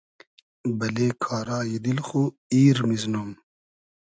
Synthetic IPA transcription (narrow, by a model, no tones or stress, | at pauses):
bɐleːkʰaːɾaːjid̪ilxu | iːɾmiznum